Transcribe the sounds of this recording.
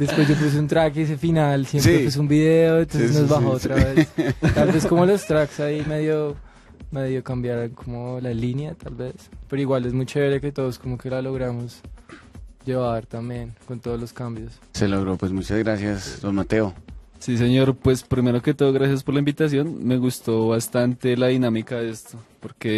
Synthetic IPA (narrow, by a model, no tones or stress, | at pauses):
d̪espwe̞zd͡ʒop̬us̬eunt̪ɾakes̬efinalsjempsɾepus̬eumbiðeoent̪onsznozβaxoot̪ɾaβe̞t̪albe̞sko̞mo̞lo̞st̪ɾaksaimeðjo | meðjo̞kambjaɾaŋkʰomolalinjat̪albe̞spe̞ɾoiɣwale̞zmut͡ʃeeɾake̞t̪o̞ðosko̞mo̞ke̞lalo̞ɣɾamo̞s | d͡ʒe̞βaɾt̪ambje̞nko̞nt̪oðoloskambjos | se̞loɣɾopwezmut͡ʃazɣɾasjasd̪onmat̪e̞osis̬e̞ɲo̞ɾpwe̞spɾime̞ɾo̞ke̞t̪oðoɣɾas̬jaspoɾlaimbit̪as̬jo̞nme̞ɣust̪o̞βast̪ant̪e̞laðinamikaðe̞st̪opoɾke̞